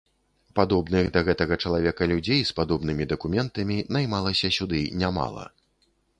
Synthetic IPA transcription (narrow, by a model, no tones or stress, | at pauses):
pad̪ɔbnɨɣd̪ɐɣɛt̪ɐɣɐt͡ʂɐlˠavʲɛkɐlʲud͡zʲejspad̪ɔbn̪ɨmʲid̪ɐkumʲɛnt̪ɐmʲinajmalˠɐsʲɐsʲud̪ɨnʲama̰lˠɐ̰